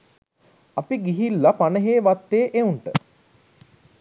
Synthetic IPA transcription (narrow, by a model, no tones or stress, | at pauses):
apiɡiɦilːapanəɦeːʋat̪ːeːʔeuɳʈə